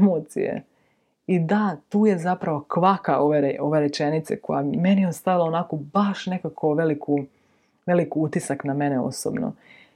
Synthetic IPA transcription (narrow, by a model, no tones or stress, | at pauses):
moːt̪sḭjḛ | id̪at̪uːje̞zapɾaʋo̞kʋakao̞ʋeɾeʔo̞ʋeɾe̞t͡ʃe̞nit̪sḛkʰo̰jame̞nieost̪aʋilaonakobaʃne̞kakʰoʋe̞likʰu | ʋe̞likiut̪isakname̞neo̞̰so̰bno̰